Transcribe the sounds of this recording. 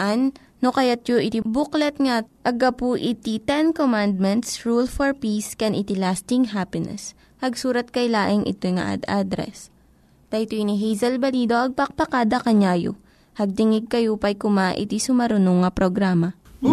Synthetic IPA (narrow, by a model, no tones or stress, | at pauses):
ʔanː | okɐjat̪̚t͡ʃoʔɪt̪ibuklɛt̪̚ŋaʔɐɡapuʔɪt̪it̪ɛnkomand̪̚mɛnt̪sɹulfoɹpiskɛnʔɪt̪ilast̪ɪŋɦapɪnɛ̰s | hɐɡsuːɾɐt̪̚kɐjlaːʔɪŋʔɪ̰t̪ojŋa̰ʔa̰d̪ad̪ɾɛ̰s | t̪ɐjt̪oniɦɛjzɐlbɐliːd̪oʔɐɡ̚pɐk̚pɐkaːd̪ɐkɐɲaːjo̰ | hɐɡ̚t̪ɪŋɪɡ̚kɐjopɐjkʊmaʔɪ̰t̪isʊmɐɾʊnoŋːɐpɾoɡɾaːmɐ